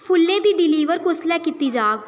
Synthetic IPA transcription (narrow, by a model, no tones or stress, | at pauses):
pʰʊlːẽːd̪iːɖɪliːʋəɾkʊslɛːkit̪iːd͡ʒaːʋ